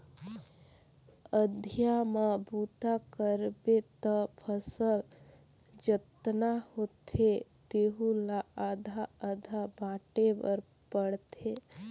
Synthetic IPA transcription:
əd̪ʱijamabut̪akəɾbet̪əpʰəsəl | d͡ʒət̪nahot̪ʰet̪eɦulaad̪ʱaːd̪ʱabãʈebəɾ | pəɽt̪ʰe

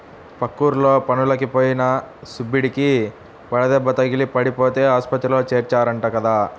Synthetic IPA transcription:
pɐkːuːɾlo̞ːpɐnulɐkipoːjinɐsubːiɽiki | ʋɐɭɐd̪ɛbːɐt̪ɐɡilipɐɽipo̞ːt̪e̞ːaːspɐt̪ɾiloːt͡ʃeːɾt͡ʃaːɾɐɳʈaːkɐd̪aː

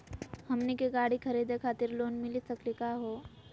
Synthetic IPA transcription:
hɐmnikeɡaːɽikʰɐɾiːd̪ekʰaːt̪ɪɾloːnmɪlisɐklikaɦoː

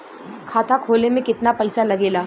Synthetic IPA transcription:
kʰaːt̪ʰakʰoːlemẽkɪt̪napɐɪsalɐɡeːlaː

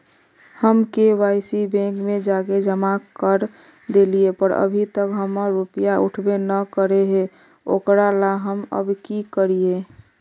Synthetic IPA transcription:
həmkeʋaɪsibɛ̃ŋkmed͡ʒaked͡ʒəmakəɾ | d̪eliepəɾə̰bʱit̪əkɦəməɾupijauʈʰbenəkəɾeɦe | o̰ːkɾalaɦəmə̰bkikəɾie

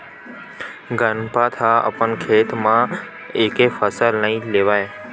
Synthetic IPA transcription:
ɡənpat̪ʰaə̰pəɳkʰet̪mã | ekefəsəlnəɦĩleʋaj

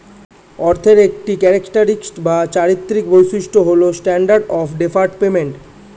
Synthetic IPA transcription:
ɔɾt̪ʰeɾek̚ʈikɛɾekʈaɾiksʈbat͡ɕaɾit̪ːɾik̚bojsiʃʈoɦolosʈɛɳɖaɾɖɔpʰɖepʰaɾʈpemeɳʈ

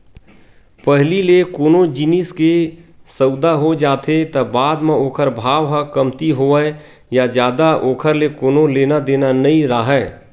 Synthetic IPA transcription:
pəɦlilekoːnõd͡ʒɪniskesəʊd̪aɦod͡ʒaːt̪ʰet̪ɐbaːd̪mẽoːkʰəɾbʱaːʋɦəkəmt̪iɦoə | jad͡ʒjaːd̪aʔoːkʰəɾlekoːnõleːnad̪eːnanəĩɾaɦɛː

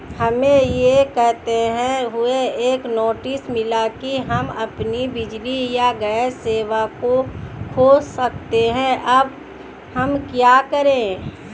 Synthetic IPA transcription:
hɐmẽjekɛɦt̪eɦɛ̃ɦʊeeːknoːʈɪsmɪlakiɦɐmɐpnibɪd͡ʒlijaɡəseːwakokʰoːsək̚t̪eɦɛ̃ʔɐb | hɐmkjaːkəɾẽ

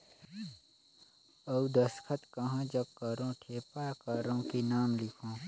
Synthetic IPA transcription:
əud̪əskʰət̪kɐɦãd͡ʒəb̚kəɾõʈʰeːpakəɾõkinaːmlɪkʰõː

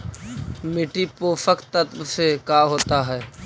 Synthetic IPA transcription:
mɪʈipoːfəkt̪ːət̪bsekaːɦoːt̪aɦɛː

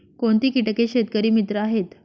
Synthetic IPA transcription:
koɳt̪iːkiʈəkeɕet̪̚kəɾiːmit̪ɾəaɦet̪

